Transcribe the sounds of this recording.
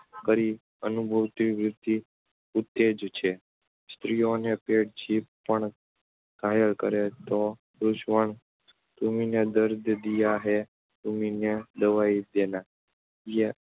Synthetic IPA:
kəɾi | ənubʱəʋt̪iʋɾɪt̪ːi | ut̪ːed͡ʒt͡ʃʰe | st̪ɾijonepeʈd͡ʒip̚ːəɳ | kajəlkə̰ɾet̪o | ɾuʃʋəɳ | t̪umined̪əɾd̪ʱəd̪ijaɦe | t̪umined̪əʋaid̪ena | je

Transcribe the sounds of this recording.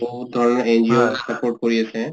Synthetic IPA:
bʱoɦut̪̚d̪ʱɔɾɔneend͡ʒiosɐpoɾʈ̚koɾiet͡ɕʰẽ

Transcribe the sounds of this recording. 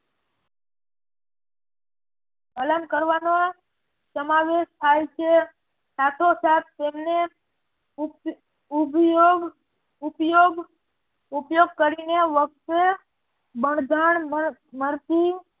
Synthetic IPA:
ələmkəɾʋano | səmaʋeʃt̪ʰajt͡ʃʰe | sat̪ʰosat̪ʰt̪emne | uboɡ | upjoɡ | upjoɡkəɾineʋək̚t̪e | bəɳd̪ʱaɳməɾt̪i

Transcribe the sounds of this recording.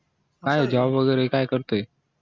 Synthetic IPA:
aːɦeːd͡ʒaːbʋəɣɛːɾɪkaːekəɾt̪eː

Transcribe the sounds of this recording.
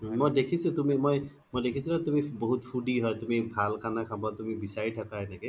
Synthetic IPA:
mojd̪ekʰisut̪umimoj | mojd̪ekʰisilat̪umibɔɦut̪pʰuɖiɦɔjt̪umibʱalkʰanakʰabat̪umibisaɹiʈʰakaɦɔjnake

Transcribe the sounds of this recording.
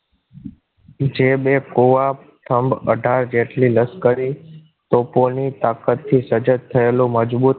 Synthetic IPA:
d͡ʒebekoʋa | ʈʰəmbə̰ɖʱaɾd͡ʒeʈliləskəɾi | t̪oponit̪akət̪ʰːisəd͡ʒət̪ʰːəelũməd͡ʒbut̪

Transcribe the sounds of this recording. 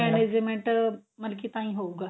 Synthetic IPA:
ɛned͡ʑmẽɳʈməɾkit̪ãĩɦouɡa

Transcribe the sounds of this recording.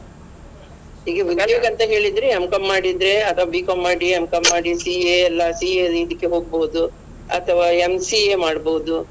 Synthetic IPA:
ɦiːɡeʋikajɐːɡɐnt̪ɐɦe̞ːɭid̪ɾeemkɐmːaːɽid̪ɾe̞ɐt̪ʰɐʋaːbiːkɐmːaːɽiemkɐmːaːɽisieɐlːɐsieid̪ikːe̞ɦo̞ːɡ̚boud̪u | ɐ̰t̪ʰɐʋaːemsiemaːɽboud̪u

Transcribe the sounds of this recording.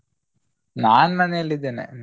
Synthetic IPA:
naːnnɐnelːid̪enḛn

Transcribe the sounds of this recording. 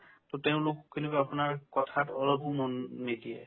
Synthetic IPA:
tɔteʊ̃lʊkkːinibaapunaɹkɔtʰatɔlɔbumɔnːidijɛ̰

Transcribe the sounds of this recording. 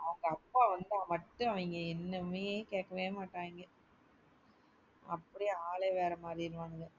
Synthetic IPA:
ɐʋɐŋɡɐɐpːaːʋɐnd̪ãːmɐʈːʊ̃ɐʋɐɪŋɡɐɛnːɐmeːkeːʈkːɐʋeːmaːʈːãːɪŋɡɐ | ɐpːɐɽiaːlɐʋeːɾɐmaːd̪ɾiɪɾɯʋaːnɐðɯ

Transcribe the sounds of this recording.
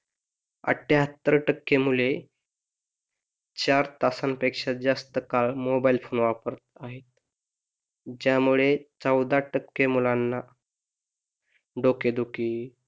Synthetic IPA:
ə̰ʈʰːeɦət̪ːəɾʈəkːemule | t͡ɕaɾt̪asanpekʂad͡zast̪əkaɭmobailfonʋapəɾət̪̚aɦet̪̚ | d͡ʑjamuɭet͡səwd̪aʈəkːemulanːa | ɖoked̪uki

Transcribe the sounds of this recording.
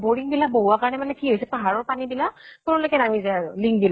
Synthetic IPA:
boɹiŋbilak̚boɦuakaɹɔnɛmanɛkiɦojsɛpaɦaɹɔɹpanibilak̚toɹolojkɛnamizajaɹʊliŋk̚bila

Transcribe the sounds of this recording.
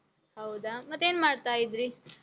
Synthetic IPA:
hawd̪amɐt̪enmaɽt̪aːid̪ɾi

